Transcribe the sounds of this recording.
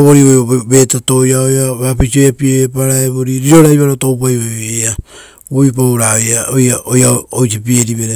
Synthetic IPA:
βoɾioβe̞tatojaojaβapit͡ʃiojapieapaɾaeβoɾiɾiɾo̞ɾajβaɾotowp̬ajoea | βuipawɾaojaojaojaojsipieɾiβeɾe

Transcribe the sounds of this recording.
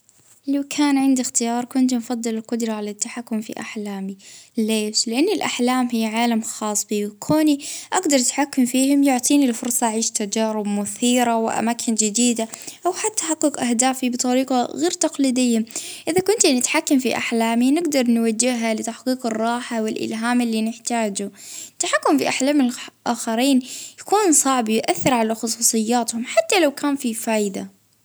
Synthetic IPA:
lawkʰaːnʕɪnd̪ixt̪ɪjɑːɾˤkʊnt̪mfɑðˤːɨlɪlqʊd̪ɾˤɑʕalat̪ːaħakːʊmfḭʔa̰ħlaːmileːʃlɪʔanːɪlʔa̰ħlaːmɦɪːʕaːlamxɑːsˤbiwkʰoːniʔaɡd̪ɑɾˤt̪ħakːʊmfiːhʊmjʊʕt̪ˤiːnilfʊɾsˤɑʔaʕiːʃt̪ad͡ʒaːɾɪbmʊθiːɾawɪʔa̰maːkʰɪnd͡ʒɪd̪iːd̪aʔawħat̪ːaħaqːɨqʔahd̪aːfibɨt̪ˤɑɾiːqɑɣeːɾt̪ɑqliːd̪ɪjːamʔɪðakʊnt̪ɪnɪt̪ħakːamfḭʔa̰ħlaːminɪɡd̪ɑɾˤnwad͡ʒːɪhɦalɪt̪aħqiːqɨrˤːɑːħawɪlʔɪ̰lɦaːmɪlːiːnɪħt̪aːd͡ʒut̪ːaħakːʊmfiʔaħlaːmɪlʔaːxaɾiːnjakuːnsˤɑʕbjʔaθːɪɾʕalaxʊsˤuːsˤɨjːaːt̪hʊmħat̪ːalawkʰaːnfifaːjd̪a̰

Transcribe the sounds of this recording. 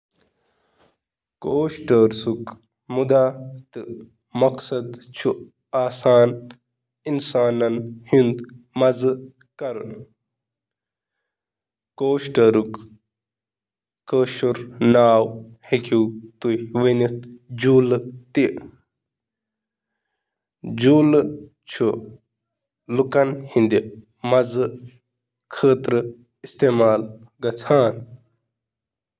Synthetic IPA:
koːʃʈɐɾsuk | mud̪at̪ɨ | mɐksɐd̪t͡ʃʰu | aːsaːn | insaːnɐnhind̪mɐzɨ | kɐɾṵn | koːʃʈɐɾuk | kəːʃuɾnaːwhekʲiwt̪ujʋinit̪d͡ʒuːlɨt̪i | d͡ʒuːl | t͡ʃʰu | lukɐnhind̪i | mɐzɨ | kʰəːt̪ɾɨ | ist̪eːmaːl | ɡɐt͡sʰaːn

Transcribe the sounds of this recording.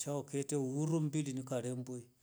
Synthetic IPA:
t͡ʃaoketewuɾumbilinikaɾemboi

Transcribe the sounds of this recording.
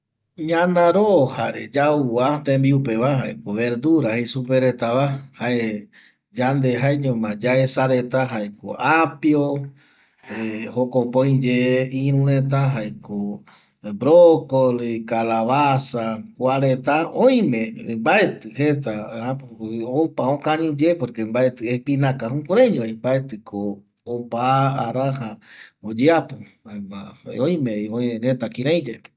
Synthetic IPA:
ɲãnãɾohaɾḛd͡ʒauat̪ẽmbiupe̞βaɦaekoβeɾd̪uɾahesupeɾe̞t̪aβahae | d͡ʒand̪eɦaeɲõmãd͡ʒaesaɾe̞t̪aɦaeko̰ʔapjo | ehokopõj̃d͡ʒeĩɾũɾẽt̪̬aɦaeko | bɾokolkalaβasakʷaɾet̪aõj̃mẽmbaet̪ɨhet̪aapopaõkãɲĩd͡ʒepoɾkembaet̪ɨepinãkaɦũkuɾẽɲoimbaet̪ɨkʰoː | paːɾahaod͡ʒeapo | amaõj̃mẽoeɾẽt̪akĩɾãj̃d͡ʒe

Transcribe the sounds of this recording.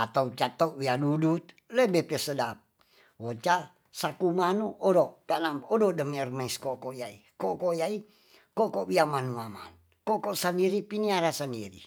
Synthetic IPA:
at̪aut͡ʃat̪ɔʔwianudut̪̚lebepesədap̚ | wot͡ʃa | sakumanuodokanamododəmirmaiskokojaḭ | kokojai | kokoʔwiamanuama̰n | kokɔsandiɾipiniaɾasandiɾḭ

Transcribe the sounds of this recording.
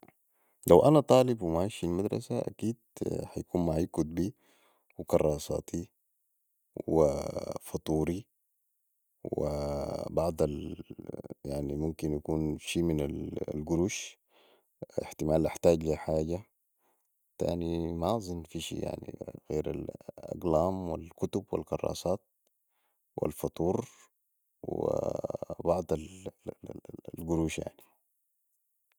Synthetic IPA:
lawʔanat̪ˤɑːlibwimaʕiːʃilmad̪ɾˤɑ̰saʔa̰kiːd̪̚hajakuːnmaʕiːkud̪̚biː | wikɑɾˤːɑːsˤɑ̰ːt̪ʰi | wḭfɑt̪ˤuːɾi | w̰ | bɑʕd̪ˤal | jaʕnimumkinjakuːnʃiːminallɡuɾuːʃ | ɪħt̪ɪmaːlʔaħt̪aːɟliħaːɟa | t̪a̰ːnimazˤɨnːfiʃḭːja̰ʕnḭɣḛːɾa̰lʔɑ̰ɡlaːmwalkut̪ubwḭlɡɑrˤːɑ̰ːsˤɑːt̪̚ | wʔḭlfɑt̪ˤuːɾ | wḭbɑʕd̪ˤal | lɡuɾuːʃja̰ʕni

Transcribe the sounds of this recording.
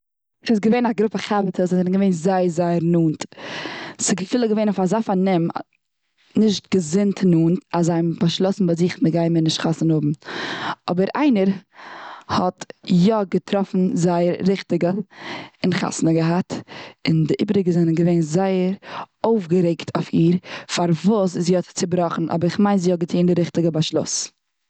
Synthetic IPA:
ʃɪsɡəveɪnaɡɾʊpəχavətʰəsɛnɡəveɪnzaɪəɾzaɪəɾnuːnt | sɪɡəfiːlˠəɡəveɪnfazaːfanɪm | nɪʃt̚ɡ̥əzɪntʰnuːntazaɪmbaʃlˠɔsn̩baɪzɪχməɡaɪmɪnɪʃtχasənʊbm̩ | ɔbəɾa̰ɪnəɾ | hɔtjɔɡətʰɾɔfn̩zaɪəɾɾɪχtɪɡə | ɪnχa̰snəɡəɦatɪndɪʔɪbəɾɪɡəzɛnəɡəveɪnzaɪəɾoʊfɡəɾeɪktʰaʊfiːɾfaɾvuːsɪziːɔtt͡sɪbɾɔχn̩ʔɔ̰bəɾɪχmaɪnziːɔɡətʰiːndɪɾɪχtɪɡəbaʃlˠʊ̰s

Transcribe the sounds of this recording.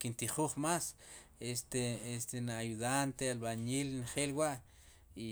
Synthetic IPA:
kint̪iχuːχmas | est̪eest̪enajuðant̪ealbaniːlnχeːlwaʔ | i

